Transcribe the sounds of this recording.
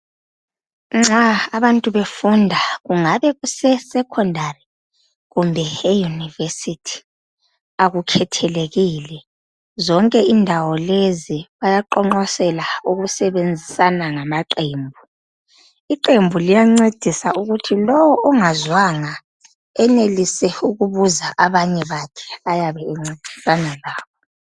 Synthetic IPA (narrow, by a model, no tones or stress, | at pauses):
ŋ͡ǁaːβantʼuβefundʱaɣuŋaβɛɣusɛsɛkʰɔndʱari | ɣumbʱɛejunivesitʰi̥ | aɣukʰɛtʰɛleɣilɛ | zɔŋkʼɛindʱawɔleziβajaǃɔŋ͡ǃɔsɛlauɣusɛβend͡zʱisanaŋamaǃeːmbʱu | iǃembʱulijaŋ͡ǀed̥ʱisauɣutʰilɔwɔʔɔŋazwaŋa | ɛnelisɛuɣuβuzaʔaβaɲɛβakʰɛ̥ajaβɛɛŋ͡ǀed̥ʱi̥sanalaːβʰɔ